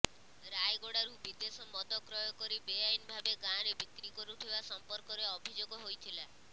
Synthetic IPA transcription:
ɾajɡoɽaɾubid̪esɔmɔd̪ɔkɾɔjɔkɔɾibejajinbʱabeɡaɾebikɾikɔɾut̪ʰibasɔmpɔɾkɔɾeɔbʱid͡ʒoɡɔɦojt̪ʰila

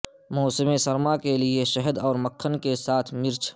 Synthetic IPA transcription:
mɔːsɪmẽsɐɾmakelieʃəɦəd̪ɔːɾməkʰːənkesaːt̪ʰmɪɾt͡ʃʰ

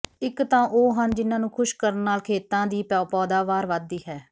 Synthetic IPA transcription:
ɪkt̪ãːʔoːɦənd͡ʒɪnãːnũːkʰʊʃkəɾənːaːlkʰeːt̪ãːd̪iːpɛːpɔːd̪aːʋaːɾʋaːd̪ːiːɦɛː

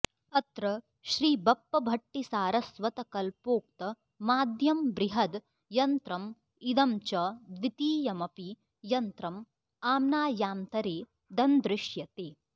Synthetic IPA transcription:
ɐt̪ɾɐ | ʃɾiːbɐpːɐbʱɐʈːisaːɾɐsʋɐt̪ɐkɐlpoːk̚t̪ɐ | maːd̪ʱjɐmbɾiɦɐd̪ | jɐnt̪ɾɐm | id̪ɐmt͡ʃɐd̪ʋit̪iːjɐmɐpi | jɐnt̪ɾɐm | aːmnaːjaːmt̪ɐɾeː | d̪ɐnd̪ɾɪʃjɐt̪eː

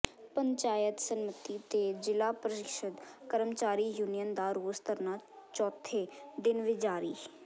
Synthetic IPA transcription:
pəɲt͡ʃaːjət̪sənmət̪iːt̪eːd͡ʒɪlaːpɾət̪ɪkʃəd̪kəɾəmt͡ʃaːɾiːjuːnijənd̪aːɾoːst̪əɾnaːt͡ʃɔːt̪ʰːeːd̪ɪnʋɪd͡ʒaːɾiː

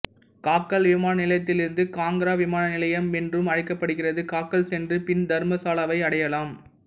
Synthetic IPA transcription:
kaːkːɐlʋɪmaːnɐnɪlɐjɐt̪̬ːɪlɪɾɯnd̪ɯkaːŋɡɐɾaːʋɪmaːnɐnɪlɐjɐmɛndrɯmɐɻɪkːɐpːɐɽɯɣɪrɐðɯkaːkːɐlsɛndrɯpɪnd̪ɐɾmɐsaːlɐʋɐɪɐɽɐjɐlaːm

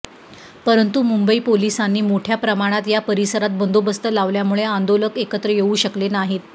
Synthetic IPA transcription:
pəɾənt̪umumbəiːpolisanːiːmoʈʰjapɾəmaɽ̃at̪japəɾisəɾat̪̚bənd̪obəst̪əlaʋljamuɭeand̪oləkekət̪ɾəjeuːɕəklenaɦit̪

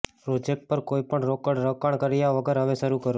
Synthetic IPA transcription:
pɾod͡ʒek̚ʈ̚pəɾkoipəɳɾokəɽɾəkaɳ̃kəɾjaʋəɡəɾɦəʋeʃəɾukəɾo

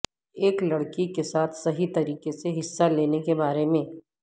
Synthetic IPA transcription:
eːklɐɽkikesaːt̪ʰsɐɦit̪ɐɾiːqeseɦɪsːaleːnekebaːɾemẽː

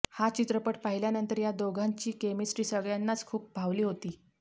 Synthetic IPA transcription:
hat͡ɕit̪ɾəpəʈpaɦiljanənt̪əɾjad̪oɡʱaɲt͡ɕiːkemisʈɾiːsəɡɭjanːat͡skʰuːp̚bʱaʋliːɦot̪iː

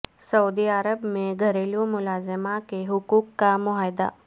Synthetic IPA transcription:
sɐud̪iaɾəbmẽɡʱɐɾeːljõmʊlaːzɪmakeɦʊkuːkːamʊɦaːjd̪a̰ː

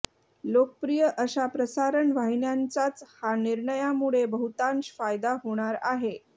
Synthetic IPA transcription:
lokəpɾijəʔəɕapɾəsaɾəɳʋaɦinjant͡sat͡shaniɾɳəjamuɭebəɦut̪ãnɕfajd̪aɦoɽ̃aɾaɦe

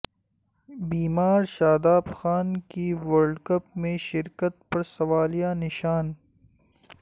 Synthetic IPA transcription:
biːmaːɾʃaːd̪aːbxaːnkiwɐɾɖkɐp̚mẽʃɪɾkət̪pɐɾsɐʋaːlijanɪʃaːn

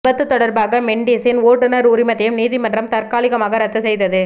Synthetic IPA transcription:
bɐt̪ːɯt̪ːɔɽɐɾbaːɣɐmɛɳɖiːsɪnoːʈːɯnɐɾʊɾɪmɐt̪ːɐjɯmniːðimɐndrɐmt̪ɐɾkaːɭɪɣɐmaːɣɐɾɐt̪ːɯsɛjðɐðɯ

